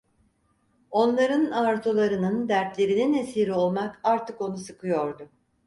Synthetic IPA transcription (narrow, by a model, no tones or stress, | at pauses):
o̞nlˠaɾɯnaɾt̪ʰolˠaɾɯnɯnd̪æɾt̪lʲe̞ɾininesiːɾio̞lˠmakaɾt̪ʰɯko̞nusɯkʰɯjo̞ɾd̪ʊ